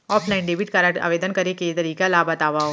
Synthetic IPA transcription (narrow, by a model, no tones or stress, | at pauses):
ɔːpʰlaɪnɖeːbiɪʈkɐɾaa̰ːʋeːd̪ənkɐɾeket̪ɐɾiːkalaːbɐt̪aːʋao